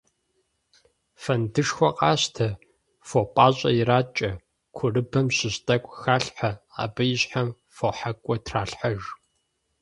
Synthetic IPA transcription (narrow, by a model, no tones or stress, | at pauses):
fɐndɨʂxʷɔqʼɑːɕtʰɐ | fopʼaːɕʼɐ̰jɪɾaːt͡ʃʼɐ | kʷʰʊrɨbɐmɕɪɕtʼɐkʷʼxaːɬħaa̰ːbɐjɪɕħam | foħakʷʼɔtʰraːɬħaʒ